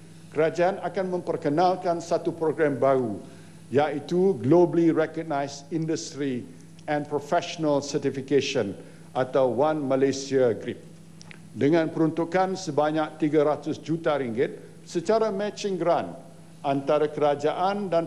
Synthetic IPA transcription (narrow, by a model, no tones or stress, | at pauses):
kəɾad͡ʒaːnakanmə̃mpərkənãlkansat̪upɾoɡɾɛmbaɾu | jait̪uɡlobliɾɛkəɡ̚najsindəst̪ɾi | ɛ̃npɾofɛʃonalsət̪ifikeʃə̃n | ʔat̪awːanmalesiaɡɾip̚ | dəŋãnpəɾunt̪ukansəbaɲãk̚t̪iɡaɾat̪ʊsd͡ʒut̪aɾiŋɡɪt̪̚ | sət͡ʃaɾamɛt͡ʃĩŋɡɾan | ant̪aɾakəɾad͡ʒaʔandan